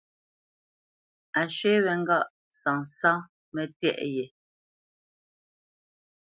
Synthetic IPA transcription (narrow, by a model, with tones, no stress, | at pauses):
a˨ʃɥe˦βɛ˨ŋ̩˦ɡa˦˨ʔ | sã˨sã˦ | mɛ˨tɛ̰˦˨ʔjɛ˨